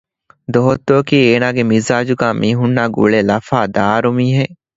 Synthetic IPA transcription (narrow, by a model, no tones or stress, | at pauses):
d̪oɦot̪ːoːkiːeːnaːɡemizaːd͡ʒuɡaːmʔiːɦunːaːɡṵɭelɐfaːd̪aːɾumiːɦe